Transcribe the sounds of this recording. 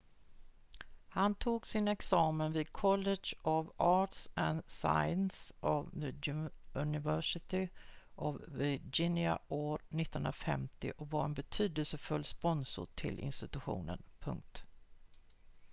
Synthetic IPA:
hant̪ʰuːɡsɪnɛksɑːmənviːd̪̚kʰɔlːɛʂɔvɑːʈsɛnsa̰jənsʔav | ɵnɪvœʂɪt̪ɪʔɔvvɪd͡ʒɪnja̰ʔoːɾnɪt̪ːənɵnɾafɛmt̪ɪ̰ʔɔkvaɾɛnbɛt̪ʰyːd̪əlsəfɵlːspɔnsʊ̰ʈ̪ʰɪ̰lʔɪ̰nst̪ɪt̪ɵɧṵːnə̰npʰɵ̰ŋk̚t̪

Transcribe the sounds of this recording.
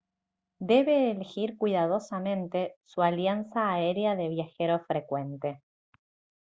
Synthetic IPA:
d̪e̞βeːlexiɾkwiðað̞o̞samẽ̞nt̪e̞sualjansaːeɾeaðe̞β̞jaxeɾo̞fɾekwe̞nt̪e̞

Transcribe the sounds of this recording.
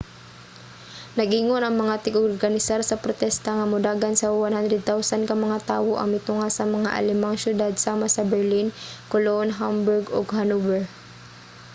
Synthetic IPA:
nɐɡʔiŋonʔɐŋmɐŋat̪ɪɡoɾɡɐnɪsaɾsɐpɾot̪ɛst̪ɐŋɐmʊd̪aːɡansɐwanhand̪ɾɛd̪̚t̪awsankɐmɐŋat̪aːwoʔɐ̰ŋmɪt̪ʊŋasɐmɐŋa̰ʔɐ̰lɪmaŋsjʊd̪ad̪̚saːmasɐbɛɹlinkolonɦambʊɹɡo̰ɡhanubɛɹ

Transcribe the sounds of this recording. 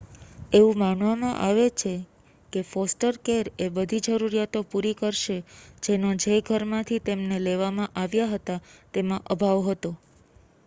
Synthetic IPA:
eʋũmanʋamã̰ʔaʋet͡ʃʰe | kefɔsʈəɾkeɾebəd̪ʱid͡ʒəɾuɾijat̪opuɾikəɾʃed͡ʒenod͡ʒeɡʱəɾmãt̪ʰit̪emneleʋamãʔaʋjaɦət̪at̪emãʔəbʱaʋɦət̪o

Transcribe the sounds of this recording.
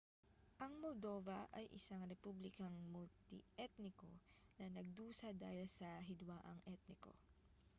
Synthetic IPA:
ʔɐŋmold̪o̞vɐʔɐjʔɪsaŋɾɛpublɪkɐŋmʊlt̪ɪ̰ʔɛt̪nɪko̞nɐnɐɡ̚d̪uːsɐd̪aːhɪlsɐɦɪd̪waːʔɐŋʔɛt̪̚nɪko̞̰

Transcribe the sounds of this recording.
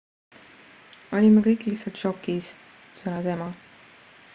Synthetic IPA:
o̞lʲimːekɤjkːˑlihtsɑlt̪ʃo̞kːˑis | selɑsemɑ

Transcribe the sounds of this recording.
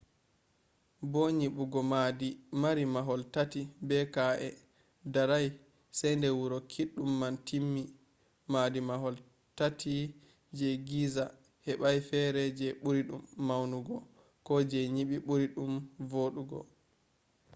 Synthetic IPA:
boɲiɓuɡɔmadimaɾimaɦɔltatibɛkaʔɛ | daɾaj | sɛjndɛwuɾɔkʰiɗːumːantʰimːi | madimaɦɔl | tatʰi | d͡ʒɛɡiza | hɛɓajfɛɾɛd͡ʒɛɓuɾiɗumːawnuɡɔ | kɔd͡ʒɛɲiɓiɓuɾiɗumvoɗuɡɔ̰

